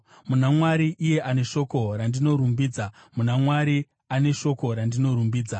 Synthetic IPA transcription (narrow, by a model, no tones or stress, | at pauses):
munamwaɾiʔːje̞ʔane̞ʃo̞ko̞ɾandino̞ɾumbiːd͡zamunamwaɾi | ane̞ʃo̞ko̞ɾandino̞ɾumbiːd͡za